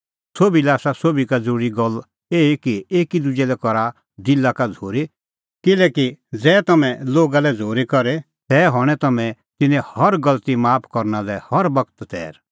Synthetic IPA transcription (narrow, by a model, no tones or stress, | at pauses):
soːbilɛaːsasoːbikad͡zəɾuːɽiɡɔl | eːikieːkid̪ʊd͡ʒɛlɛkɔɾa | d̪ɪlːakad͡zʱoːɾe | kɪlɛːkid͡zɛːt̪ɐmɛ̃loːɡalɛd͡zʱoːɾikɔɾɛ | t̪ɛɦɔɽ̃ɛ̃t̪ɐmɛ̃ | t̪ɪnɛ̃hɐɾɡɐlt̪imaːpʰkɔɾnalɛhɐɾbɐkt̪t̪ɛ̰ːɾ